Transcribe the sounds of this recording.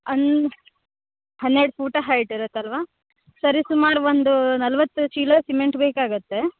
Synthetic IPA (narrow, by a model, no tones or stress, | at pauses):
ɐn | hɐnːeɽpʰuːʈɐɦɐːjiʈiɾɐt̪ːɐlʋaː | sɐɾisumaːɾuʋond̪unɐlɐʋɐt̪ːut͡ʃiːlɐsimeɳʈbeːkaːɡut̪ːe̞